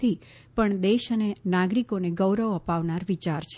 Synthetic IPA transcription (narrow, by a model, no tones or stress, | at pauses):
i | pəɳd̪eʃənenaɡɾikoneɡəwɾəʋəpaʋnaɾʋit͡ʃaɾt͡ʃʰ